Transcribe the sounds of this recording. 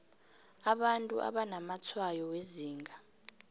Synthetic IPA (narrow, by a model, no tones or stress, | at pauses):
aɓantʼuʔa̰ɓanamat͡sʰwajɔweziːŋɡʱa